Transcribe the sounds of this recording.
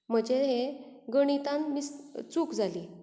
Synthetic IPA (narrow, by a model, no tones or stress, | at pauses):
m̤əd͡ʑeɦeɡəɽ̃it̪ãnmist͡sukd͡zʱali